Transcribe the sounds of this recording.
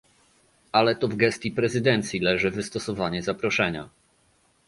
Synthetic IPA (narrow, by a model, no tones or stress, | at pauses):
alɛt̪ɔvɡɛst̪ʲjipɾɛzɘd̪ɛnt̪sʲjilɛʐɘvɘst̪ɔsɔvaɲɛzapɾɔʂɛɲa̰